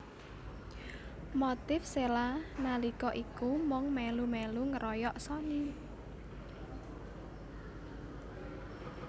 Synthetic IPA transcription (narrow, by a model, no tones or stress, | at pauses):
mot̪ɪfselanalikɔʔikumɔŋmɛlumɛluŋəɾɔjɔʔsɔni